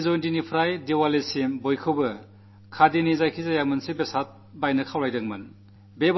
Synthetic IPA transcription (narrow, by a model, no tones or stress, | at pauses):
zojntinipʰɾajdewalesimbojkʰɯwbɐ | kʰadinizajkʰizajamɯnsebesat̚ | bajnɐkʰawɾajdɐŋmɐn | beb